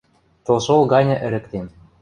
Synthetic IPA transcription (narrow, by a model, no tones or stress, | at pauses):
t̪olʃolˠɡɑnʲɤ̆ʔɘ̆ɾɘ̆kt̪em